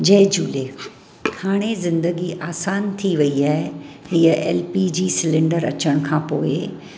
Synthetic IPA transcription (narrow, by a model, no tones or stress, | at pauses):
d͡ʑɐːd͡ʑuːleː | haːɽ̃ezɪ̃nd̪əɡiʔaːsaːnt̪ʰiʋɐiaːɦehiəʔḛːlpid͡ʑiːsɪlɪ̃ɳɖəɾɐ̰t͡ɕəɽ̃kʰãːpoːɪ